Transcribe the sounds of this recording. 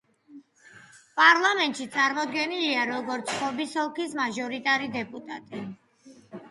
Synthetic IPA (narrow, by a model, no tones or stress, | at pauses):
pʼaɾlˠamɛnt̪ʼʃit̪sʼaɾmɔd̪ɡɛniliaɾɔɡɔɾt̪sʰχɔbisɔlˠkismaʒɔɾit̪ʼaɾid̪ɛpʼut̪ʼa̰t̪ʼi